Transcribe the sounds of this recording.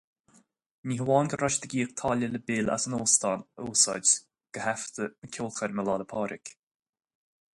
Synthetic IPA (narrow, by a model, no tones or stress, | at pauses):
niɦwɔːnɡəɾaʃd̪əɡiːkt̪ʰɑːlələbɪla̰sənoːst̪anuːsɔ̰d͡ʒ | ɡ̥əhɛft̪ənəkʲʰuːlˠxəɾməlɑːd̪əpʰɑːɾʔɪk